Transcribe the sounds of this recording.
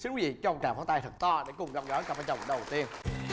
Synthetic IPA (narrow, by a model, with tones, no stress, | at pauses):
sɨ˦˥kwi˨˦˩vḭ˧˨t͡ɕɔ˧ʔŋ͡mt͡ɕaː˧˩fɔ˨˦t̪a˧jt̪ʰɨ˨˩k̚t̪ɔ˧ɗe˧˩kʊ˨˩ŋ͡mzə˨˧˩wɣɔ˨˦kaː˧˩faː˧jt͡ɕə˨˩wŋ͡mɗə˨˩wt̪i˧ən